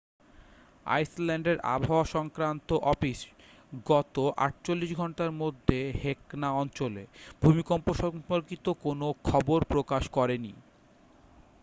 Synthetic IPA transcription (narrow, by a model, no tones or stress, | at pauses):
a̰jslɛɳɖeɾʔa̰bʱaoʃɔŋkɾant̪oʔɔfiʃ | ɡɔt̪oʔa̰ʈ̚t͡ɕolːiʃɡʱɔɳʈaɾmod̪ʱːeheknaɔnt͡ɕoleb̥ʱumikɔmpoʃɔmoɾkit̪okonokʰɔboɾpɾokaʃkɔɾenḭ